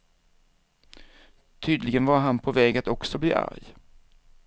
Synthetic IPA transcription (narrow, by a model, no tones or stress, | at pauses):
t̪ʰyːd̪lɪɡənvaɾɦanpʰɔvɛːɡat̪ɔksɔblḭːʔa̰ɾj